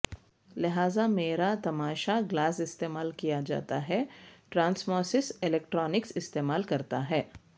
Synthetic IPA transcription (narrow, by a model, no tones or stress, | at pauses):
lɪɦaːzameːɾat̪ɐmaːʃaɡlaːsɪst̪eːmaːlkijad͡ʒa̰ːt̪a̰ɦɛʈɾãːnsmɔːsɪsɪlɛːk̚ʈɾɔːnɪksɪst̪eːmaːlkɐɾt̪aɦɛː